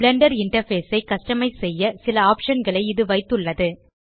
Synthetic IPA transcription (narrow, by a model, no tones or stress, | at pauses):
bɭɛɳɖɐɾɪɳʈɐɾfeːsɐɪkɐsʈɐmɐɪsɛjːɐsɪlɐaːpʂɐnɡɐɭɐɪɪðɯʋɐɪt̪ːɯɭːɐðɯ